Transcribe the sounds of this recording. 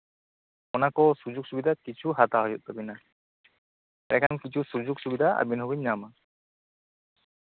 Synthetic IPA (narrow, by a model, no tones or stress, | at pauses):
ɔnakɔsuzuk̚subidakit͡ʃʰuɦataɦɔjṵt̚abina | ɛkʰankit͡ʃʰusuzuksubidaa̰binɦɔbiɲːama